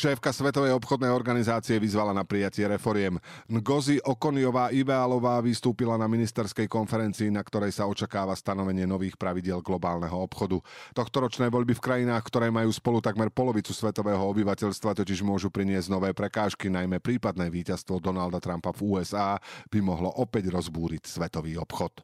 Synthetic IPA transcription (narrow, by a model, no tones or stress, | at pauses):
ʃɛːfkasʋɛt̪ɔʋɛjɔpxɔd̪nɛjɔɾɡanizaːt͡siɛʋizʋalanapɾijacɪɛɾɛfɔɾɪɛmnɡɔziʔɔkɔnijɔʋaːʔiʋɛalɔʋaːʋist̪uːpilanaminist̪ɛɾskɛjkɔnfɛɾɛnt͡siːnakt̪ɔɾɛjsaɔt͡ʃakaːʋast̪anɔʋɛɲɪɛnɔʋiːxpɾaʋiɟɪɛlɡlɔbaːlnɛɦɔɔpxɔd̪ut̪ɔxt̪ɔɾɔt͡ʃnɛːʋɔʎbifkɾajinaːxkt̪ɔɾɛːmajuːspɔlut̪aɡmɛɾpɔlɔʋit͡susʋɛt̪ɔʋɛːɦɔɔbiʋacɛʎst̪ʋat̪ɔciʒmʊɔʒupɾiɲɪɛzɟnɔʋɛːpɾɛkaːʃkinajmɛpɾiːpad̪nɛːʋiːcast̪ʋɔd̪ɔnald̪at̪ɾampavuːɛzaːb̥imɔɦlɔʔɔpɛɟɾɔzbuːɾicsʋɛt̪ɔʋiːɔpxɔt̪